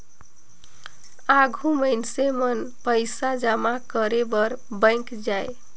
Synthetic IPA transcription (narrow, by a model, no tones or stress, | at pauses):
aɡʱuməɪnsemənpəjsad͡ʒamakəɾebəɾbə̃ɪ̃kd͡ʒaj